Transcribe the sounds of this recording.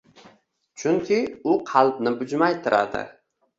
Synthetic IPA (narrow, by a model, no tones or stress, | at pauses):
t͡ʃʰʊŋkʲʰɪʊqʰɑlˠbnɪbʊd͡ʒmajt̪ʰɪɾa̰d̪ɪ̰